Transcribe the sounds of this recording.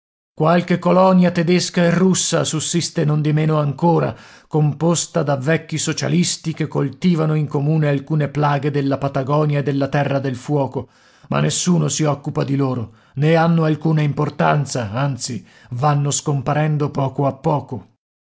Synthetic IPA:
kwalkekːolɔnjat̪ed̪eskaerːusːa̰susːist̪enond̪imeːnoaŋkoːɾa̰ | kompost̪ad̪avːɛkːisot͡ʃa̰list̪ikekːolt̪iːvanoiŋkomuːnealkuːneplaːɡed̪elːapat̪aɡɔːnjaed̪ːelːat̪ɛrːad̪elfwɔːko | ma̰nːesːuːnosiɔkːupad̪iloːɾo | neanːoalkuːnaimport̪ant̪saant̪si | vanːoskompaɾɛnd̪opɔːkoapːɔːko

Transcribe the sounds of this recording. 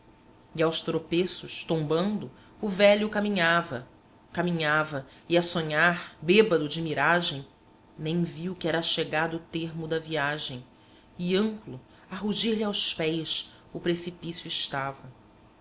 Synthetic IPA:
iawst̪ɾopesʊʃt̪õmbɐ̃nd̪ʊ | ʊvɛʎʊkamĩɲavɐ | kamĩɲavɐiɐsõɲaɾbebɐd̪ʊd͡ʒɪmiɾaʒẽj̃ | nẽj̃viwkɪɛɾɐaʃeɡad̪t̪eɾmʊd̪ɐviaʒẽj̃ | ɪɐ̃mplʊ | aɦuʒiɾʎiawspɛjs | ʊpɾesipisjuiʃt̪avɐ

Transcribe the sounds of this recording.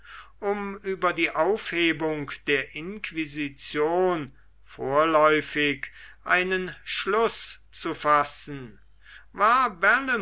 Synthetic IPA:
ʔʊmyːbɐdiːʔaʊfheːbʊŋkd̥eːɐʔɪnkv̥izit͡sjoːn | foːɐlɔʏfɪkʔa̰ɪnənʃlʊs | t͡sufasn̩ | vaːɐbɛlə

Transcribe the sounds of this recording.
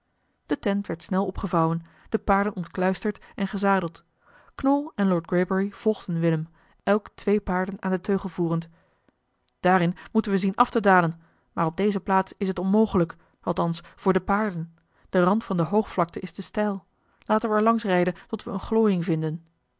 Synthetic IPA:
d̥ətɛntʋɛɹtsnɛlˠɔpχəvɑwən | d̥əpaːɹdənɔntklœɥstəɹtɛnχəzaːdəlˠt | knɔlˠɛnlɔːɹd̚ɡɹejbəɹiv̥ɔlˠχdənʋɪləm | ɛlˠktʋejpaːɹdənaːndətʰøɥχəl̩ˠvuːrənt | d̥aːɾɪnmutənʋəzinʔɑftədaːlən | maːrɔb̚dejzəplaːtsɪs̬ɦətɔnmowχələk | ɑlˠtɑnsfʊːɹdəpaːɹdən | d̥ərɑntfɑndəɦowχflɑk̚təʔɪsdəstɛjlˠ | laːtənʋəɛɹlɑŋsrɛjdəntɔtʋəənχloːjɪŋvɪndən

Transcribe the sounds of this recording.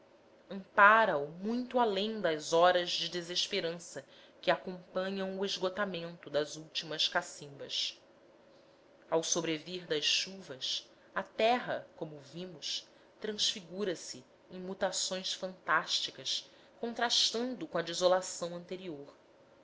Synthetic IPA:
ɐ̃mpaɾɐumũj̃t̪ʊalẽj̃d̪ɐzɔɾɐzd͡ʒɪd̪ezeʃpeɾɐ̃sɐ | kɪakõmpɐ̃ɲɐ̃w̃ueʒɡot̪amẽnt̪ʊd̪ɐzuwt͡ʃimɐskasĩmbɐs | awsobɾeviɾd̪ɐsʃuvɐs | ɐt̪ɛɦɐkõmʊvĩmʊs | t̪ɾɐ̃sfiɡuɾɐsɪ | ẽj̃mut̪asõj̃sfɐ̃nt̪aʃt͡ʃikɐs | kõnt̪ɾaʃt̪ɐ̃nd̪ʊkõɐd͡ʒizolasɐ̃w̃ɐ̃nt̪eɾioɾ

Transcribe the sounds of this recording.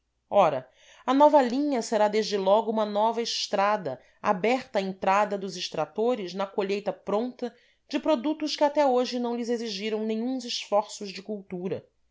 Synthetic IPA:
ɔɾɐ | ɐnɔvɐlĩɲɐseɾad̪eʒd͡ʒɪlɔɡʊũmɐnɔvɐɪʃt̪ɾad̪ɐ | a̰bɛχt̪ɐaːẽnt̪ɾad̪ɐd̪ʊzɪʃt̪ɾat̪oɾɪznɐkoʎejt̪ɐpɾõnt̪ɐ | d͡ʒɪpɾod̪ut̪ʊʃkɪat̪ɛoʒɪnɐ̃w̃lɪzeziʒiɾɐ̃w̃nẽɲũzɪʃfɔɾsʊzd͡ʒɪkuwt̪uɾɐ

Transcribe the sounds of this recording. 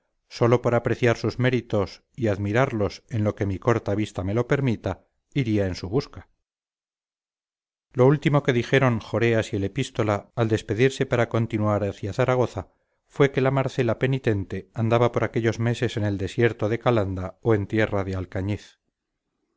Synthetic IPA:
so̞lo̞poɾapɾe̞θjaɾsuzme̞ɾit̪o̞s | iaðmiɾaɾlo̞se̞nlo̞ke̞miko̞ɾt̪aβist̪ame̞lo̞pe̞ɾmit̪a | iɾiae̞nsuβ̞uska | lo̞ult̪imo̞ke̞ðixe̞ɾo̞ŋxo̞ɾe̞asiele̞pist̪o̞laːld̪e̞spe̞ðiɾse̞paɾako̞nt̪inuaɾaθjaθaɾaɣ̞o̞θa | fwe̞ke̞lamaɾθe̞lape̞nit̪e̞nt̪e̞and̪aβapo̞ɾake̞ʎo̞zme̞se̞se̞ne̞ld̪e̞sje̞ɾt̪o̞ðe̞kaland̪aoe̞nt̪je̞raðealkaɲiθ

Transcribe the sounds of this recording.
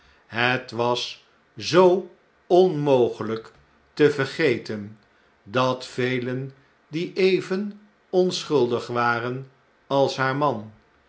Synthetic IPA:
ɦətʋɑs | zow | ɔnmowχələk | təvəɹχejtən | dɑtfejlən | diʔejvən | ɔnsχɵlˠdəχʋaːrən | ɑlˠsɦaːɹmɑn

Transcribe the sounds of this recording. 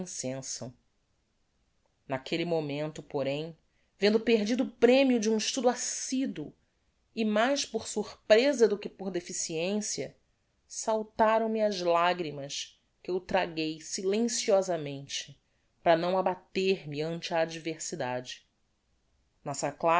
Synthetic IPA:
sẽsɐ̃ | nakʰelimomẽnt̪ʊpoɾẽj̃ | vẽnd̪ʊpeɦd͡ʒid̪ʊʊpɾẽmiʊd͡ʒɪũiʃt̪ud̪ʊasid̪ʊ | ɪmajʃpoɾsuχpɾezɐd̪ʊkɪpoɾd̪efisiẽsiɐ | sawt̪aɾɐ̃w̃mɪɐzlaɡɾimɐs | kɪewt̪ɾaɡejsilẽsiɔzɐmẽnt͡ʃɪ̥ | pɾɐnɐ̃w̃abat̪eɾmɪɐ̃nt͡ʃɪɐːd͡ʒiveɾsid̪ad͡ʒɪ̥ | nɔsɐkla

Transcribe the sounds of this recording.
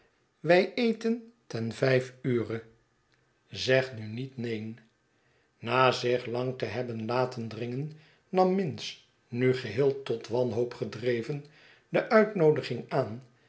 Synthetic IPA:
ʋɛjejtəntɛnvɛjfyːrə | zɛχnynitnejn | naːzɪχlɑŋtəɦɛbənlaːtəndrɪŋənː | ɑmːɪns | nyχəɦɪːlˠtɔtʋɑnɦowpχədrejvən | dəʔœɥtnowdəχɪŋaːn

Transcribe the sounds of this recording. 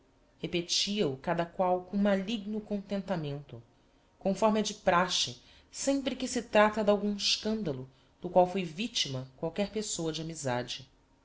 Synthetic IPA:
hepet͡ʃiɐukad̪ɐkwawkõmaliɡnʊkõnt̪ẽnt̪amẽnt̪ʊ | kõfɔɾmɪɐd͡ʒɪpɾaʃɪ | sẽmpɾɪkɪsɪt̪ɾat̪ɐd̪awɡũɪʃkɐ̃nd̪ɐlʊ | d̪̥ʊkwawfojvit͡ʃimɐkwawkɛɾpesowɐd͡ʒɪamizad͡ʒɪ

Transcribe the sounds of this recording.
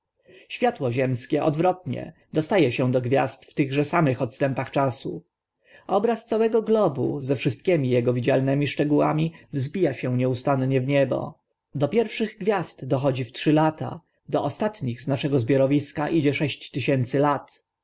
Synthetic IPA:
ɕfʲjat̪wɔʑɛmskʲɛʔɔ̰d̪vɾɔt̪ɲɛ̰ | d̪ɔst̪ajɛɕɛ̃d̪ɔɡvʲja̰st̪ft̪ɘɣʐɛsamɘxɔt̪st̪ɛmpaxt͡ʂasu | ʔɔbɾast̪sawɛɡɔɡlɔbṵzɛfʂɘst̪̚kʲɛmʲijɛɡɔvʲid͡ʑalnɛmʲiʂt͡ʂɛɡuwa̰mʲivzbʲijaɕɛ̃w̃ɲɛust̪anɲɛvɲɛbɔ̰ | d̪ɔpʲjɛɾfʂɘɣɡvʲjast̪d̪ɔxɔd͡ʑiftʂɘlat̪a̰ | d̪ɔʔɔst̪at̪ɲiɣznaʂɛɡɔzbʲjɔɾɔvʲiskaʔid͡ʑɛʂɛɕt͡ɕt̪ːɘɕɛnt̪sɘlat̪

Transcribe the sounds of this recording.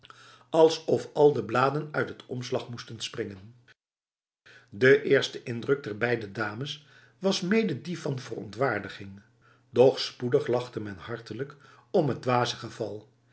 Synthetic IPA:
ɑlˠsɔfɑlˠdəblaːdənœɥtɦətɔmslɑχmustənsprɪŋən | dəʔɪːɹstəʔɪndrɵɡ̚dɛɹbɛjdədaːməs | ʋɑsmejdədifɑnvərɔ̰ntʋaːɹdəχɪŋ | dɔχspudəχlɑχtəmɛnhɑɹtələk | ɔmɦəd̚dʋaːzəχəv̥ɑlˠ

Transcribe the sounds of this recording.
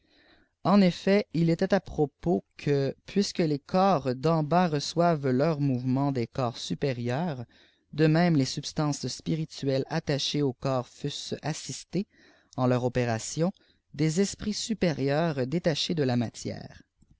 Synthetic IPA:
ɑ̃nefɛilɛt̪ɛt̪apχɔpokʰəpʰɥiskəlekʰɔːʁd̪ɑ̃baʁəswavlœʁmuvmɑ̃d̪ekɔːʁsypeʁjœːʁ | d̪əmɛ̃mlesybst̪ɑ̃sspiʁit̪yɛlat̪aʃeokɔːʁfysasist̪e | ɑ̃lœʁɔpeʁasjɔ̃ | d̪ezɛspχisypeʁjœːʁd̪et̪aʃed̪əlamat̪jɛ̰ːʁ

